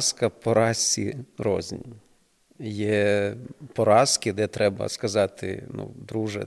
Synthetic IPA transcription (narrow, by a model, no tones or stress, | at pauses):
skɐpɔɾɑsʲirɔ̰zʲnʲ | jɛ | pɔɾɑskɪd̪ɛt̪ɾɛbɐ̰skɐzɑt̪ɪ̰nṵd̪ɾuʒɛ̰